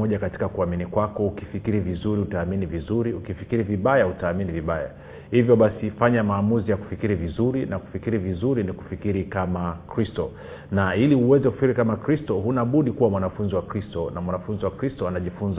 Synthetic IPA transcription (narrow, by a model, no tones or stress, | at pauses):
ɔʄakati̥kakuaminikwakɔukifikiɾivizuɾiutaːminivizuɾiukifikiɾiviɓajautaːminiviɓaja̰ | hivjɔɓasifaɲamaːmuzijaku̥fikiɾivizuɾinaku̥fikiɾivizuɾiniku̥fikiɾikamakɾistɔ | nailiuwɛzɛku̥fi̥kiɾikamakɾistɔɦunaɓuɗikuwamwanafunziwakɾistɔnamwanafunziwakɾistɔanaʄifunz